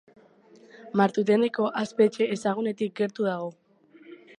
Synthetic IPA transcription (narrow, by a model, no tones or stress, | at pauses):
maɾt̪ut̪̬e̞ne̞ko̞ʔaspe̞ːt͡ʃe̞ːsaɣ̞une̞t̪ik̚ɡe̞ɾt̪uðaɣ̞o̞